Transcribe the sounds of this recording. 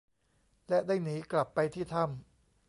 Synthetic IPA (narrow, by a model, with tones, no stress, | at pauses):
lɛ˦˥ʔdaː˥˩jniː˩˦˥kla˨˩pːa˧jt̪ʰiː˥˩t̪ʰa˥˩m